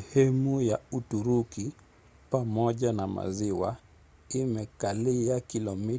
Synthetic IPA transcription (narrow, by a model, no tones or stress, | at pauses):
ɛhɛmujautuɾuki | pamɔʄanama̰ziwa̰ | imɛkaliakilɔmi